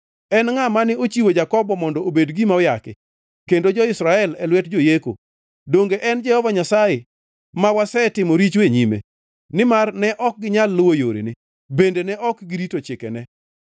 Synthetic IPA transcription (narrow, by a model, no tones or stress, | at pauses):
ɛnŋamanɪot͡ʃiwod͡ʒakɔbɔmɔndɔobedɡimaɔjakɪ | kendod͡ʒɔɪsɾaɛlɛlwɛtd͡ʒojeko̰ | doŋɡeʔɛnd͡ʒɛhɔvaɲasaje | mawasɛtɪmoɾit͡ʃweɲimḛ | nɪmarnɛʔɔk̚ɡɪɲalːʊwojoɾḛnɪ | bendenɛʔɔkɡɪditot͡ʃɪkɛ̰nɛ